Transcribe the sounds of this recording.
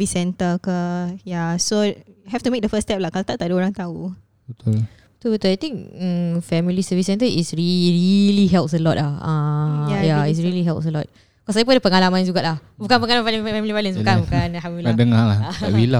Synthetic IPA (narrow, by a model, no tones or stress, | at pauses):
visɛ̃nt̪əkəjasoɦɛft̪umek̚dəfəstɛp̚lahkalat̪aʔt̪aʔdəoɾaŋt̪au | bət̪ul | t̪ubət̪ulajt̪ĩŋk̚əfɛmilisəvisɛnt̪əʔisɹiɹiliɦɛlp̚səlɔt̚lahãjais̬ɹiliɦɛlpsəlɔt̚ | kɔs̬ajap̬unadəpəŋalamãnd͡ʒuɡaʔlahbukanpəŋalamanfaləfɛmilipalə̃nsbukanbukaanlɦãmbbiladəŋalahaa̰ʔwila